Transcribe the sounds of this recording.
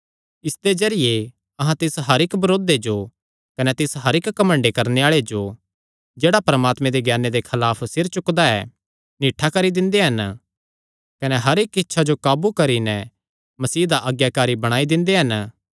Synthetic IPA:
ɪsd̪ed͡ʒɐɾɪje | ɐɦãt̪ɪsɦɐɾɪkbɐɾoːd̪ed͡ʒo | kɐnɛt̪ɪsɦɐɾɪkːɐmə̃ɳɖekɐɾneaːɭed͡ʒo | d͡ʒeːɽapɐɾəmaːt̪mẽd̪eɡjaːnːed̪ekʰɐlaːpʰsɪɾt͡ʃʊkd̪aɛ̰ | niːʈʰːakɐɾid̪ɪ̃nd̪eɦɐn | kɐnɛɦɐɾekɪtːʃʰad͡ʒokaːbukɐɾinɛ | mɐsiːd̪aʔɐɡjakaːɾibɐɽ̃aːid̪ɪ̃nd̪eɦɐn

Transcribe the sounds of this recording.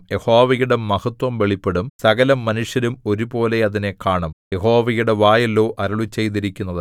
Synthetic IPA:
je̞hoːʋɐɣuɽemːɐhɐt̪wɐmʋe̞ɭipːeɽumsɐɣɐlɐmːɐnuʂjɐɾumo̞ɾubo̞ːle̞ɐðine̞kaːɳɐmje̞hoːʋɐɣuɽeʋaːjɐloːʔɐɾɐɭut͡ɕːe̞jt̪iɾikʲːunːɐðɨ

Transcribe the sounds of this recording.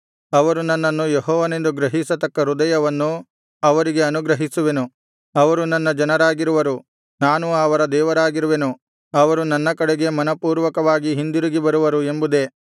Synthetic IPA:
ɐʋɐɾunɐnːɐnːujeɦɔːʋɐne̞nd̪uɡɾɐɦisɐt̪ɐkːɐɾud̪ɐjɐʋɐnːu | ɐʋɐɾiɡe̞ɐnuɡɾɐɦisuʋe̞nu | ɐʋɐɾunɐnːɐd͡ʒɐnɐɾaːɡiɾuʋɐɾu | naːnuɐʋɐɾɐd̪ɛːʋɐɾaːɡiɾuʋe̞nu | ɐʋɐɾunɐnːɐkɐɽeɡe̞mɐnɐpuːɾʋɐkɐʋaːɡiɦind̪uɾiɡibɐɾuʋɐɾue̞mbud̪e̞

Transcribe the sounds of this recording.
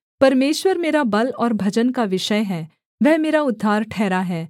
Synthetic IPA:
pɐɾmeːʃwəɾmeːɾabɐlɔːɾbʱɐd͡ʒənkaʋɪʃəjɦɛː | ʋɛɦmeːɾaʊd̪ʱːaːɾʈʰɛːɾaɦɛː

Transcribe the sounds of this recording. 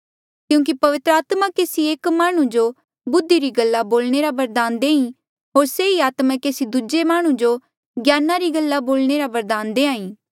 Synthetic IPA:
kjũːk̬ipɐʋɪt̪ɾəaːt̪makeːsieːkmaːɽ̃ũd͡ʒo | bʊd̪ːiɾiɡəlːaboːlɽ̃eɾabɐɾd̪aːnd̪eːĩ | ɦoːɾseːiaːt̪mãkeːsid̪ʊd͡ʒemaːɽ̃ũd͡ʒo | ɡjaːnaɾiɡəlːaboːlɽ̃eɾabɐɾd̪aːnd̪eːãːĩː

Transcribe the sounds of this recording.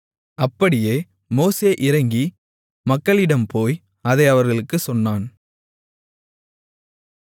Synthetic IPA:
ɐpːɐɽɪjeː | moːseːʔɪɾɐŋɡi | mɐkːɐɭɪɽɐmpoːj | ɐðɐɪɐʋɐɾɣɐɭɯkːɯsɔnːaːn

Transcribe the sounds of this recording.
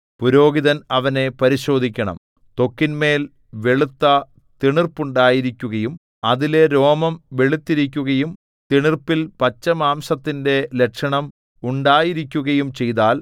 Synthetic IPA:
puɾo̞ːɡiðɐnɐʋɐne̞pɐɾiɕo̞ːd̪ʱikʲːɐɳɐ̰m | t̪o̞kːinme̞ːl | ʋeɭut̪ːɐ | t̪iɳirpuɳɖaːjiɾikʲːuɣɐjum | ɐðile̞ɾo̞ːmɐmʋeɭut̪ːiɾik̬ʲːuɣɐjum | t̪iɳirpilpɐt͡ɕːɐmaːmsɐt̪ːinde̞lekʂɐɳɐm | uɳɖaːjiɾikʲːuɣɐjumt͡ɕe̞jt̪aːl

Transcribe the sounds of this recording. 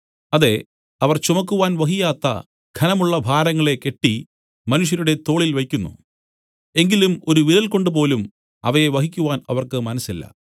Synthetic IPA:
ɐðe̞ | ɐʋɐrt͡ɕumɐkːuʋaːnʋɐɦijaːt̪ːɐ̰ | ɡʰʱɐnɐmuɭːɐbʱaːɾɐŋːɐɭe̞ke̞ʈːi | mɐnuʂ̬jɐɾuɽe̞t̪o̞ːɭilʋɐjkʲːunːṵ | e̞ŋɡilumo̞ɾuʋiɾɐlko̞ɳɖɨp̬o̞ːlum | ɐ̰ʋɐjeʋɐɦikʲːuʋaːnɐʋɐrkɨmɐnɐsːilːɐ̰

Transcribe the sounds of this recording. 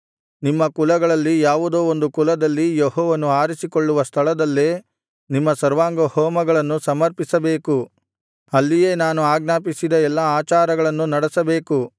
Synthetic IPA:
nimːɐkulɐɡɐɭɐlːijaːʋud̪oːond̪ukulɐd̪ɐlːijɔɦɔːʋɐnuaːɾisikoɭːuʋɐst̪ʰɐɭɐd̪ɐlːeː | nimːɐsɐɾʋaːŋɡɐhɔːmɐɡɐɭɐnːusɐmɐɾpisɐbe̞ːku | ɐlːije̞ːnaːnuaːɡnaːpisid̪ɐɛlːɐaːt͡ʃaːɾɐɡɐɭɐnːunɐɽɛsɐbe̞ːku

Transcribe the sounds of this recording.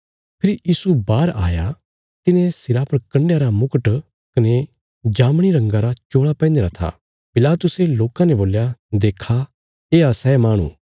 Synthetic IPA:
pʰɪɾijiːsubaːɾa̰ːja | t̪ɪnẽsɪɾaːpʰɐɾkɐ̃ɳɖjaɾamʊkəʈ | kɐne | d͡ʒaːmɽ̃iɾɐ̃ŋɡaɾat͡ʃoːɭapɛ̃ːnd̪eɾat̪ʰa̰ | pɪlaːt̪ʊseloːkãnɛboːljad̪eːkʰa | eːasɛːmaːɽ̃ṵ̃ː

